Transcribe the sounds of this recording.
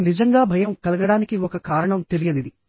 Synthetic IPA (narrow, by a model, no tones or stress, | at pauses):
nid͡ʒɐŋɡaːbʱɐjɐmkɐlɐɡɐɽaːnikiɔkɐkaːɾɐɳɐmt̪elijɐd̪id̪i